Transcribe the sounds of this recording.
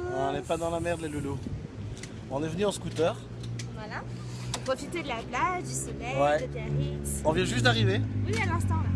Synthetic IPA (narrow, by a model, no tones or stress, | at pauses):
ɔ̃nɛpad̪ɑ̃lamɛʁd̪leləlo | ɔ̃nɛvənyɑ̃skut̪œːʁ | vwala | puʁpχɔfit̪ed̪əlabladd̪ysɔlɛwɛd̪ədaʁisɔ̃vjɛ̃ʒyst̪d̪aʁivewialɛ̃st̪ɑ̃la